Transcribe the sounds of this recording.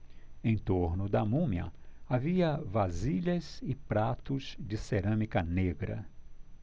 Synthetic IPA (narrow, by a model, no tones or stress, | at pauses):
ẽj̃t̪oɾnʊd̪ɐmũmɐ̰aviɐvaziʎɐzɪpɾat̪ʊz̥d͡ʒɪseɾɐ̃mikɐneɡɾɐ̰